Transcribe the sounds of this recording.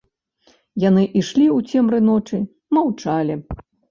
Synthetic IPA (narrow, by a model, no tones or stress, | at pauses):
janɨʔiʂlʲiut͡sʲɛmɾɨnɔt͡ʂɨ | mawt͡ʂalʲi